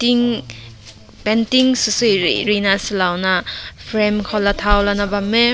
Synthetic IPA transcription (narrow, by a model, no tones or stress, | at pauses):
tiŋ | pentiŋsusɯjɾḭɾinasilawnapʰɾemkʰɔlɐtʰawlɐnɐbame